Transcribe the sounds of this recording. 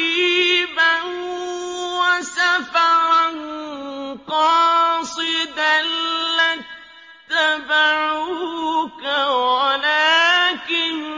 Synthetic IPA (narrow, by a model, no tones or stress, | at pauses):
ban | wasafaɾan | qɑsɨd̪ala | t̪ːabaɾʊkawalaːkɪn